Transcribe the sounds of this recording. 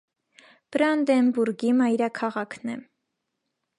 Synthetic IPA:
b̥ɾɑnd̪ɛmbuɾɡimɑjɾɑkʰɑʁɑkʰnɛ̰

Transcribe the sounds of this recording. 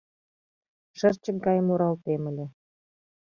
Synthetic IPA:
ʃə̆rt͡ɕə̆k̚ɡɑjmuɾɑlt̪emə̆lʲĕ

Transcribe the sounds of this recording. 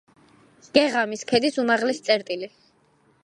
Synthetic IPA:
ɡ̥ɛʁamiskʰɛd̪isumaʁlɛst̪sʼɛɾt̪ʼili

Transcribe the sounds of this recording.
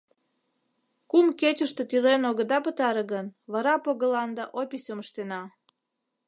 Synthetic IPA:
kumket͡ɕəʃt̪e̽t̪ylenoɣəd̪ɑpət̪ɑɾəɣənβɑɾɑpoɣəlɑnd̪ɑʔopʲisʲəməʃt̪enɑ

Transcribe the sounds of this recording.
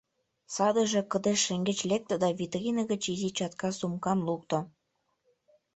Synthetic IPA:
sɑd̪ə̆ʒĕkə̆d̪eʃːĕŋɡĕt͡ɕlek̚t̪ə̆d̪ɑβʲit̪rʲinəɣə̆t͡ɕizit͡ɕɑt̪̚kɑsumkɑnluk̚t̪o

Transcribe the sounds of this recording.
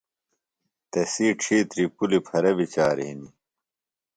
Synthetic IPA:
t̪ɐsiːʈ͡ʂʰiːt̪ɾipulipʰɐɾɐbit͡ɕaːɾ̰ɦini

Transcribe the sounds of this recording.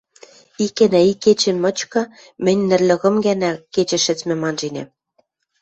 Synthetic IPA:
ikːænæikːet͡ɕɘ̆mɤ̆t͡ɕkɤ̆ | mɘ̆nʲnɘ̆rlʲɤ̆ɣɤ̆mɡænæket͡ɕɘ̆ʃɘ̆t͡smɘ̆mɑnʒinḛm

